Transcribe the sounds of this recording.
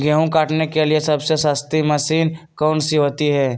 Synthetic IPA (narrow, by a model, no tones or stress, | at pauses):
ɡeɦũkaːʈnekeliesɐbsesãːst̪imɐsiːnkɔːnsiɦoːt̪iɦɛː